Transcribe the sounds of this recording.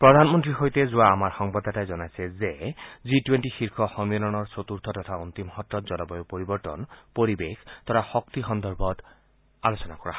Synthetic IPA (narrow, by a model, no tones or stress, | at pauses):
pɹɔd̪ʱanmɔntɹiɦojtɛzuaːmaɹxɔŋbad̪ʱːatajzɔnajsɛzezitwentixiɹkʰɔxɔmiɔnɔnɔɹsot̪uɹt̪ʰɔtɔt̪ʰaunt̪imhɔtːɔt̪zɔnɔbɔjopoɹibɔɹtɔ̰npoɹibekʰt̪ɔɾaxɔk̚t̪ixɔnd̪ɔɹbʱɔt | alosɔnakɔɹa̰h